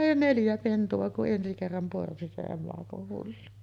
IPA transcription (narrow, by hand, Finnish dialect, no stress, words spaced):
neljæ pentuɑ kuʔ ʔensi kerːɑm porsi se emɑkoh hulːu